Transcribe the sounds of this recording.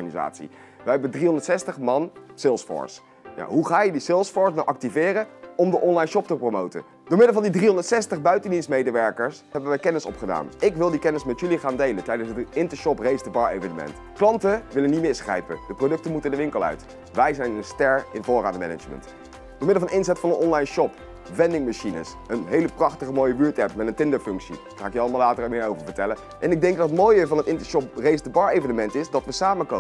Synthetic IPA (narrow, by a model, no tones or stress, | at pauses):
aniza̰ːtsḭ | ʋəjɦɛbədriɔndətsɛstəχmɑnsɪlˠsfɔ̰ːɹs | ja̰ːɦuχaːjədisɪlˠsfɔːɹsnawʔɑk̚tivɪːrəɔmdəʔɔnlɑjnʃɔp̚təpromowtə̰ | d̥oːɹmɪdəlˠvɑndidriɦɔndəɹtsɛstəχbœɥtəndinsmejdəʋɛɹkəɹsɦɛbəʋɛjkɛnɪsɔ̰pχəda̰ːnɪkʋɪlˠdikɛnɪsmɛtjɵliχaːndejlətɛjdənsətɪntəʃɔprejzdəbɑɹḛjvənəmɛ̰nt | klɑntəʋɪlənːitmɪsχrɛ̰jpə̰d̥əprodɵk̚tənmutəndəʋɪŋkəlˠœ̰ɥt | ʋɛjzɛjnənstɛɹɪnvʊːra̰ːndmɛ̰nə̰d͡ʒmə̰nt | d̥əːmɪdəlˠvɑnɪnzɛtfɑnənʔɔnlɑjnʃɔp | ʋɛndɪŋmaʃinə̰s | ənɦejləprɑχtəχəmoːjəbyːɹtɛpmɛtəntɪndəɹfɵŋksḭ | χaːɪkjəɑlˠmalaːtərəmɪːɹowvəɹvəɹtɛlən | ʔɛnɪɡ̚dɛŋɡ̚dɑtətmoːjəvɑnətɪntəʃɔp̚rejzdəbɑːɹejvənəmɛntɪzdɑtʋəsaːməko